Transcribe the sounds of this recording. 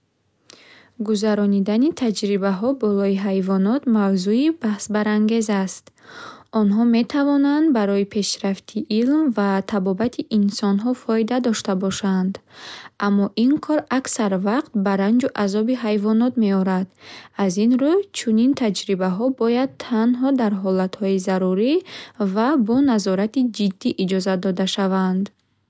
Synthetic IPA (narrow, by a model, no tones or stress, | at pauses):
ɡuzaɾɔnid̪anit̪ʰad͡ʒɾibaɦɔbɔlɔiɦajvɔnɔt̪mavzuibahsbaɾaŋɡe̞zast̪ | ɔnɦɔme̞t̪ʰavɔnand̪baɾɔipʰe̞ʃɾaft̪ʰiʔilmvat̪ʰabɔbat̪ʰiʔinsɔnɦɔfɔid̪ad̪ɔʃt̪abɔʃand̪ʔamːɔʔinkʰɔɾaksaɾvaqt̪̚baɾand͡ʒuʔazɔbiɦajvɔnɔt̪me̞ɔɾad̪azinɾut͡ʃʰunint̪ʰad͡ʒɾibaɦɔbɔjad̪̚t̪ʰanɦɔd̪aɾɦɔlat̪hɔizaɾuɾivabɔnazɔɾat̪id͡ʒid̪ːiʔid͡ʒɔzad̪ɔd̪aʃavand̪